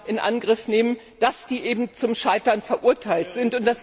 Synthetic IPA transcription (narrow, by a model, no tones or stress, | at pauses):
ʔɪnʔa̰nɡʁɪfneːmən | d̥asd̥iːʔeːbm̩t͡sʊmʃaɪtɐnfɛɐʔʊɐtʰaɪltz̥ɪntʊnt̚d̥as